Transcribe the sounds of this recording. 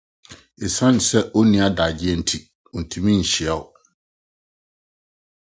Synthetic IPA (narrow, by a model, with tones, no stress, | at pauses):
e˨sã˦n˨sɛ˦ʔo˦nĩ˨˦a˦daː˨d͡ʑɪ˦ɛ˦n̩˦tʰi˨ | o˨n̩˨tʰũ˨mĩ˦ɲ̩˨ɕɪ˨ɛ˨ʊ˨